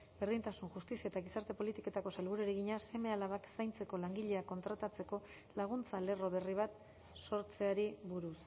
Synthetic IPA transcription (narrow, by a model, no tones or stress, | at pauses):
beɾðint̪asunʝust̪isiaet̪aɣisaɾt̪e̞po̞lit̪iko̞t̪ako̞selβuɾueɾeɣiɲase̞me̞alaβaksajnt͡se̞ko̞laŋɡiʎe̞ako̞nt̪ɾat̪at͡se̞ko̞ | laɣ̞unt͡sale̞ro̞βe̞riβ̞at̪ | so̞ɾt͡se̞aɾiβuɾus